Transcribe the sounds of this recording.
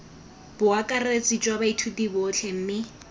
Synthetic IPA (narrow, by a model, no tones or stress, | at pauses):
b̥ʊakʼaret͡sʼit͡ʃʼwabaitʰudibʊːt͡ɬʰɛm̩ːmɪ